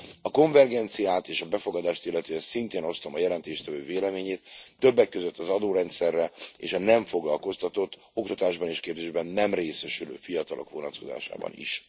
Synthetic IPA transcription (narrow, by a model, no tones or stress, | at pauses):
ɒko̞ɱvɛrɡɛnt̪sijaːt̪eːʃɒbɛfo̞ɡɒd̪aːʃt̪ilːɛt̪yɛnsint̪eːno̞st̪omɒjɛlɛnt̪eːʃt̪ɛvøːveːlɛmeːɲeːt̪ːø̞bːɛkːøzøt̪ːɒzɒd̪oːɾɛnt̪sɛrːɛḛːʃɒnɛɱfo̞ɡlɒlko̞st̪ɒt̪o̞t̪ː | o̞kt̪ɒt̪aːʒbɒneːʃkeːbzeːʒbɛnːɛmreːsɛʃylø̰ːfijɒt̪ɒlo̞̰kvonɒt̪koza̰ːʃa̰ːbɒ̰nḭʃ